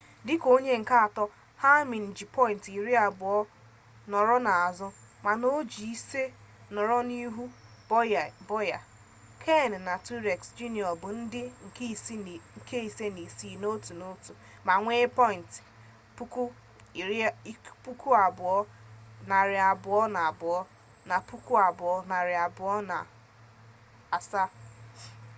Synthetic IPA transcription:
dɪ˦ko˦ɲe˦ŋ̩˨ka˦a˨tɔ˦ | ha˦mɪ˨n̩˨d͡ʒi˨pɔ˦ɪ˨n˨ti˨ɾi˦a˨bʊ˨ɔ˦ | nɔ˨ɾɔ˦na˨a˨zɔ˦ | ma˨no˦d͡ʒi˨i˦se˦nɔ˨ɾɔ˦ni˦ɦu˦˨ | bɔ˦ja˨ | kʰe˦˨n̩˨na˨tu˦ɾe˨ksd͡ʒu˦ni˨ɔ˨bʊ˨n̩˦dɪ˦ŋ̩˨kŋ̩˨ke˦i˨se˦ni˨si˦˨no˦tu˨no˦tu˨ | ma˨ŋʷe˦pɔ˦ɪ˨n̩˨tɪ̥˨ | pu˦ku˦˨˦ | pu˦ku˦a˨bʊ˨ɔ˦na˨ɾɪ˨a˨bʊ˨ɔ˦na˨a˨bʊ˨ɔ˦ | na˨pu˦ku˦a˨bʊ˨ɔ˦na˨ɾɪ˨a˨bʊ˨ɔ˦na̰˨ | a˨sa˦˨

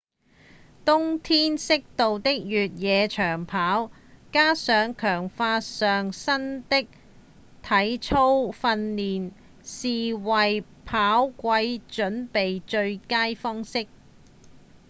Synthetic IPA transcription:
t̪ʊ˥ŋt̪ʰiː˥nsɪ˥k̚t̪o˨wt̪ɪ˥k̚jyː˨t̚jɛː˨˧t͡ʃʰœː˨˩ŋpʰaː˨˥w | kaː˥sœː˨˧˥ŋkʰœː˨˩ŋfaː˧tsœː˨ŋsɐ˥nt̪ɪ˥k̚ | t̪ʰɐ˨˥jt͡ʃʰo˥wfɐ˧nliː˨n | siː˨wɐ˨j | pʰaː˨˥wkʷɐ˧jt͡ʃɵ˨˥npe˨jt͡ʃɵ˧ɥkaː˥jfɔː˥ŋsɪ˥k̚

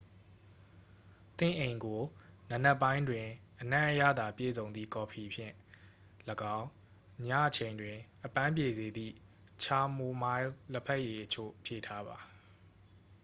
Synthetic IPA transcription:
t̪ɪ̰̃˦˨ʔẽ˨ɪ̃ŋɡo˨na˨nɛ˦˨pːã˦ɪ̃ndwɪ̃˨ʔənã˦ʔəjä̰˦˨d̪a˨pjḛ˦˨zõ˨ʊ̃nd̪ðḭ˦˨kɔ˨pʰi˨pʰjɪ̰̃˦˨ | ləɡã˦ʊ̃ | ɲa̰˦˨ʔət͡ɕʰẽ˨ɪ̃ndwɪ̃˨ʔəpã˦mp̬je˨ze˨d̪ḭ˦˨ | t͡ɕʰa˦mo˦ma˦ɪlə˦pʰɛ˦ʔje˨ʔət͡ɕʰo̰˦˨pʰjḛ˦˨tʰa˦ba˨

